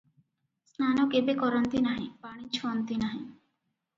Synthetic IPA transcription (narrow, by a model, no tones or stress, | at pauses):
snanɔkebekɔɾɔnt̪inaɦḭ̃paɽ̃ĩt͡ʃʰɔɔnt̪inaɦĩ